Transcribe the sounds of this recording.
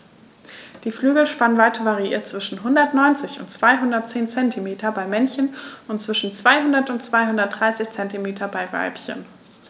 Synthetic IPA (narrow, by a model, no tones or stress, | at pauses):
d̥iːflyːɡl̩ʃpanənvaɪtʰɐvaʁiḭːɐt͡sv̥ɪʃn̩ɦʊndɐtnɔʏnt͡sɪçʊ̰ntt͡sv̥aɪɦʊndɐt̚t͡seːnt͡sɛntʰimeːtʰɐbaɪmɛnçənʊntt͡sv̥ɪʃn̩t͡sv̥aɪɦʊndɐtʊntt͡sv̥aɪhʊndɐt̚d̥ʁaɪsɪçt͡sɛntimeːtʰɐbaɪva̰lpçə̰n